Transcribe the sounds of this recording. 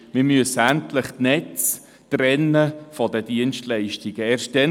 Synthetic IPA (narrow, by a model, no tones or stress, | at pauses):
mɪmyəsæntləχtnɛt͡s | trɛnːəfɔdədiənʃtlɛɪʃtiɡ̥əeːrʃt̚d̥ɛn